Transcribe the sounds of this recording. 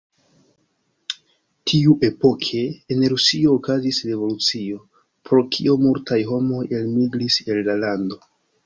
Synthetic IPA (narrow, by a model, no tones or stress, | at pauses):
tʰiuʔe̞po̞kʰe̞ːnɾusio̞ːkazisɾe̞vo̞lut͡sio̞ | pɾo̞kʰiomultajɦo̞mo̞je̞lmiɡɾise̞lːalando̞